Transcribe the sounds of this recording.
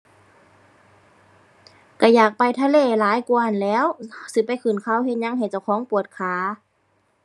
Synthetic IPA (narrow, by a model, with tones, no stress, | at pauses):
ka˧˩jaː˨˩k̚pa˧jt̪ʰa˧leː˧˩˨laː˨˦jku˧ha˨nlɛː˧˥˨wsɯ˧˦pa˧˦jkʰɯ˧˨˩nkʰa˧˩˨whe˧t̪̚ɲa˧˥˨ŋɦa˨˩jt͡ɕa˧˩wkʰɔː˧˥˦ŋpu˨˩ət̪̚kʰaː˨˧˦